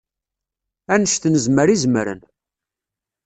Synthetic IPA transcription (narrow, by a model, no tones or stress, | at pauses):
ænəʃθnəzməɾizməɾə̰n